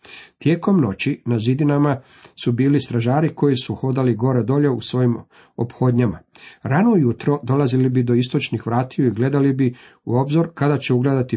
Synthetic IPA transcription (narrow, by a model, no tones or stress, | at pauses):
t̪je̞ːko̞mno̞t͡ɕinazid̪inama | subiːlist̪ɾaʒaːɾiko̞jisuxo̞d̪aliɡo̞ɾed̪o̞ʎe̞usʋo̞jim | o̰pxo̞d̪ɲama̰ɾanojut̪ɾo̞d̪o̞lazilibid̪o̞ist̪o̞t͡ʃnixʋɾaːt̪ijuiɡle̞d̪alibi | ṵo̞bzoɾkad̪at͡ɕe̞uɡled̪at̪i